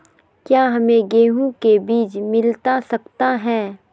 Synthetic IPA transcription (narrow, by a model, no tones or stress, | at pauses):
kjaːɦɐmẽɡeːɦũkebiːt͡ʃmɪlt̪asɐkt̪aɦɛ̃ː